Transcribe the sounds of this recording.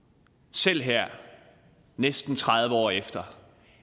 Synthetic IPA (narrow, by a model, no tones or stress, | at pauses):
sel̰ɦæɐ̰ | nesd̥n̩t͡sʰʁɑð̞ˠʋəɒ̰ːefd̥ɐ